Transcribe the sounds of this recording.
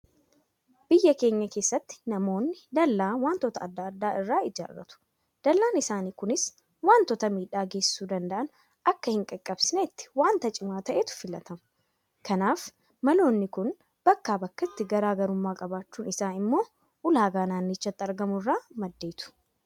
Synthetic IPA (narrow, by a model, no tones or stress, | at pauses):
b̥ɪjːɐke̞ːɲːɐke̞ːsːɐt̪ːɪ̥nɐmo̞ːnːɪd̪ɐlːaːnwaːnt̪ɔt̪ɐɐd̪ːɐːd̪ːaːɪrːaːɪd͡ʒa̰ːɾɾɐ̰t̪ʊ̥ | d̪̥ɐlːaːnɪsaːniːkʊnɪs | waːnt̪ɔt̪ɐmiːᶑaːɡe̞ːsːuːd̪ɐnd̪ɐʔɐn | ʔɐkːɐhɪŋkʼɐkʼːɐbsɪnet̪ːɪ̥waːnt̪ɐt͡ʃʼɪmaːt̪ɐʔet̪ʊ̥fɪlɐ̰t̪ɐmʊ̥ | kɐnaːf | mɐlo̞ːnːɪkʊn | b̥ɐkːaːbɐkːɐt̪ːɪɡɐɾaːɡɐɾʊmːaːkʼɐbaːt͡ʃːuːnɪsaːnɪmːo̞ː | ʔʊlaːɡaːnaːnːɪt͡ʃːɐt̪ːɪɐɾɡɐmʊrːaːmɐd̪ːe̞ːt̪ʊ̥